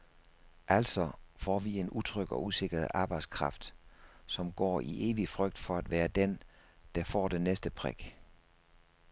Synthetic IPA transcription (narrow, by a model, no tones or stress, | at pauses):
ʔæl̰sɒ̽fɒ̰ːʋie̝nut͡sʰʁœɡ̥ɒ̽use̝ɡ̥ɐð̩ˠʔɑ̈ːb̥ɑ̈ɪd̥skʰʁɑ̈fd̥sɒ̽mɡ̥ɒ̰ːʔiʔe̝ːʋifʁœɡ̥̚d̥fɒ̽æd̥ʋæːɐd̥end̥ɑ̈fɒ̰ːd̥enesd̥əpʰʁḛɡ̥